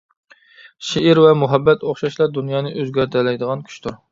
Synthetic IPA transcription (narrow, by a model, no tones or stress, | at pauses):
ʃeiɾvɛmuɦɛbːɛt̪oχʃɑʃlˠɑd̪unjɑːnɨʔøzɡʲæɾt̪ʰɛlɛjd̪əʁɑnkʲʰy̥t͡ʃt̪uɾ